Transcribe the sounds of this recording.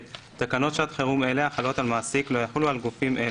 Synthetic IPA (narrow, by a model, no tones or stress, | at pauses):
t̪akano̞t̪ʃat̪χeʁume̞leaχalo̞t̪almaːsiklo̞jaħulualɡufimʔe